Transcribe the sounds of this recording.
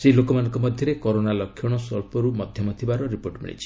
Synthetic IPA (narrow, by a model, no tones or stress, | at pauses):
selokɔmanɔ̃ŋkɔmɔd̪ʱjɔɾekɔɾonalɔkʰːɔɽ̃ɔsɔɭpɔɾumɔd̪ʱjɔmɔt̪ʰibaɾɔɾipoɾʈmḛɭḭt͡ʃʰi̥